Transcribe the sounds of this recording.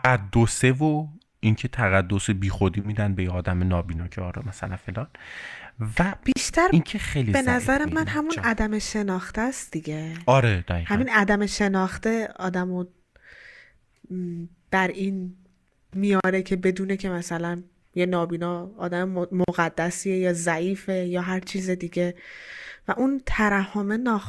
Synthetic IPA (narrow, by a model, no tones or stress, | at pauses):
æd̪ːosevo | incʰe̞t̪ʰæɣæd̪ːosebiːxod̪iːmiːd̪ænbejeɒːd̪æmenɒːbiːnɒːcʰeɒːɾɛmæsæ̰læ̰nfe̞lɒːn | væb̥iʃt̪ʰæɾinkʰexejlibenæzæɾemænɦæmunæd̪æmeʃe̞nɒːxt̪æst̪d̪̥iɡe̞ɒɾed̪̥æiːhæmiːnæd̪æme̞ʃe̞nɒːxt̪eɒːd̪æmo | d̪̥æɾʔiːn | mijɒːɾecʰe̞be̞d̪uːnecʰe̞mæsælæn | jenɒːbiːnɒːɒːd̪æmemoɣæd̪ːæsiejɒːzæiːfe̞jɒːɦæɾt͡ʃʰiːzed̪iːɟe̞ | væʔunt̪ʰæɾæhomenɒː